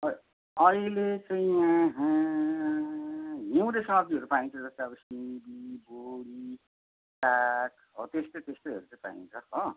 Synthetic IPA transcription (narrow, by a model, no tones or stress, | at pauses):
ʌ | ʌilet͡sʌ̃j̃ãɦ | ɦew̃ɾejsʌmʌb̚d̪iʌɾupaĩnt͡sʰʌd͡zʌst̪eʌbʌsibiboɽi | ʈak | ʌt̪est̪ʌt̪est̪ʌjɦʌ̰ɾut͡sʌ̃ĩpa̰ḭ̃nt͡sʰʌkʌ